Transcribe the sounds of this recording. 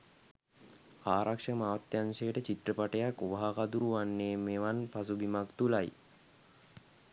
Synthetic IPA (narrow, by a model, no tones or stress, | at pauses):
aːɾʔakʂəmaːʋat̪ːjansejəʈət͡ɕit̪rəpaʈəjakuʋaɦakad̪uɾuʋanːeːmeʋanpasubimakt̪ulaj